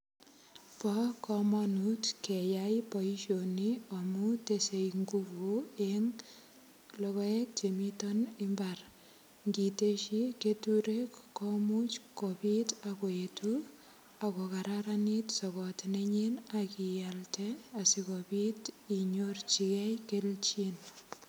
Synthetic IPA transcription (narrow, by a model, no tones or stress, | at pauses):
pɔkɔmɔnutkejajpɔiʃoniɔmutesejŋɡuɡueŋ | lɔβɔek̚t͡ʃemitɔnimbar | ŋɡiteʃiketuɾekkɔmut͡ʃkopitakoetu | akokaɾaɾanitsɔkɔtneɲenakijaltɛasikɔpitiɲort͡ʃikɛjkelt͡ʃin